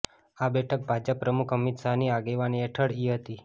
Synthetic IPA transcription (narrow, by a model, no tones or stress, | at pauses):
abɛʈʰək̚bʱad͡ʒəpːɾəmukʰəmit̪saɦniaɡeʋanieʈʰəɽiɦət̪i